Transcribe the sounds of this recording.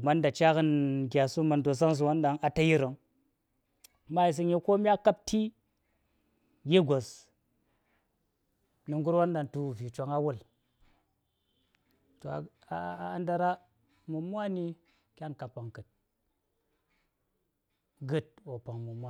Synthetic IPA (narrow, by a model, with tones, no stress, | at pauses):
ma˦nda˨t͡ʃa˦kɨ˦nɡʲa˨su˦ma˨ndo˨s̬a˦ŋs̬u˨wa˦nɗa˨ŋa˨ta˦ji˦ɾə˨ŋ˦ | ma˦i˨s̬ɨ˧ŋji˦ko˦mʲ˦a˦ka˦p̚tʰi˦ | je˦ɡʷo˨s | nɨ˨ŋɡu˦ɾwa˦nɗa˨ŋtu˨vi˨t͡ʃʷa˨˦ŋa˦wu˦˨l | to˨a̰˨ | nda˨ɾa˦ | mu˨mʷ˦a˦ni˧ | kʲa˦nka˨pa˨ŋkɨ˨t̚ | ɡɨ˦t̚wo˨pa˨ŋmu˨mʷ˦a˦